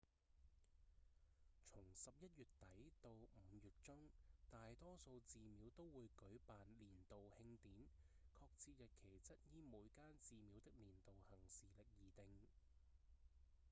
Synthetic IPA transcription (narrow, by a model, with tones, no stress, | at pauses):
t͡sʰʊ˨˩ŋsɐ˨p̚jɐ˥t̚jyː˨tt̪ɐ˨˥jt̪o˧wm̩ː˨˧˦jyː˨t̚t͡ʃʊ˥ŋt̪aː˨jt̪ɔː˥so˧wt͡siː˨˧miː˨˧wt̪o˥wwuː˨˧jkɵ˨˥ɥpaː˨nliː˨˩nt̪o˨whɪ˧ŋt̪iː˨˥nkʰɔː˧k̚t͡sʰiː˧t̚jɐ˨t̚kʰe˨˩jt͡sɐ˥t̚jiː˥muː˨˧˥jkaː˥nt͡siː˨miː˨˧˥wt̪ɪ˥k̚liː˨˩nt̪o˨whɐ˨˩ŋsiː˨lɪ˨k̚jiː˨t̪ɪ˨ŋ